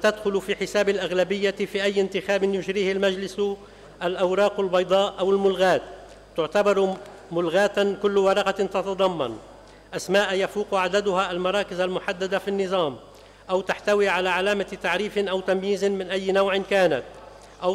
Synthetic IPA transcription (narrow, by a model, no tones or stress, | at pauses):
t̪ad̪xʊlfiħɪsaːbalʔaɣlabɪjːafiːʔajːɪnt̪ɪxaːbɪnjʊʒɾiːhɪlmaʒlɪs | ʔalʔawɾˤɑːqalbɑjd̪ˤɑːʔʔawɪlmʊlɣaːt̪ː | ʊʕt̪abɑɾˤ | mʊlɣaːt̪kʊlːwɑɾˤɑqɑt̪ɑt̪ɑd̪ˤɑmːɑ̰n | ʔasmaːʔjafuːqʕad̪ad̪ʊhaʔalmɑɾˤɑːkɪzalmʊħad̪ːad̪afinːɨzˤɑːm | ʔawt̪aħt̪awiʕalaʕalaːmat̪aʕɾiːfɪnʔawt̪amjiːzɪnmɪnʔajːnawʕɪnkaːnat̪ | ʔaw